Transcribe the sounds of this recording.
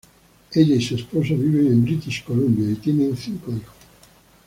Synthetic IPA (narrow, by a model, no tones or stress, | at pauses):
eʎːaisespɔsaviveimbɾit̪iʃkolombjait̪jɛneunθiŋkeixo̥